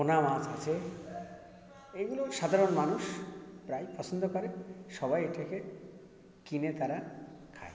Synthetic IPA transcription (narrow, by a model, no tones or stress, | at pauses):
onamãd͡ʑat͡ɕʰe | eɡuloʃad̪ʱaɾonmanuʃpɾajpɔt͡ɕʰond̪okoɾeʃɔbajeʈakʰe | kinet̪aɾakʰa̰e